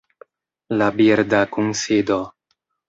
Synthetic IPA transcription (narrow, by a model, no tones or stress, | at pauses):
labiɾdakunsid̪o